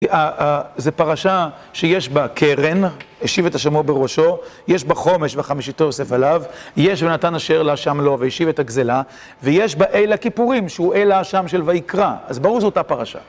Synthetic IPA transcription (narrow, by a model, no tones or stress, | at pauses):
azepaʁaʃa | ʃejeʃbakʰeʁenheʃivetaʃamobeʁo̞ʃo̞jeʃbaχo̞me̞ʃveχamiʃit̪ojosefalavjeʃvenatanaʃeʁlaʃamlo̞veheʃivetaɡzela | vejeʃbaʔejlakipuʁimʃeuʔelaʃamʃelvaikʁaazbaʁuʁzeotapaʁaʃa̰